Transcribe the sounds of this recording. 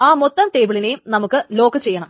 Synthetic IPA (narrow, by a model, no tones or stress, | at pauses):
aːmot̪ːɐnt̪e̞ːʋiɭinejmnɐmukːɨlo̞ːkɨt͡ɕe̞jːɐɳɐm